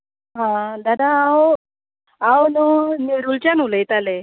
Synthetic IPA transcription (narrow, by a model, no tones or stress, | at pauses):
ɦãd̪ad̪aːw | awnɔniɾult͡ɕanulejt̪ale